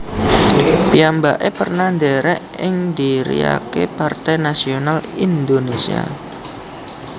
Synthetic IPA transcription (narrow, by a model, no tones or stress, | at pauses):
piambaʔepərnaɳɖeɾɛʔɪŋd̪iɾḭja̰kepart̪ɛjnasionalind̪onesia̰